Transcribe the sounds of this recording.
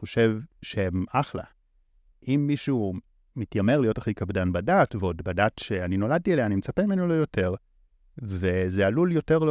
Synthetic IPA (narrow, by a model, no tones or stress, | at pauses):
oʃevʃeemaχla̰ | ʔimːiʃuː | mitjame̞ʁlijo̞taχikabdanbadatveo̞dbadatʃe̞anino̞lad̚tieleanimet͡sapemimenolojo̞tʰe̞ʁ | ve̞zealuljo̞te̞ʁl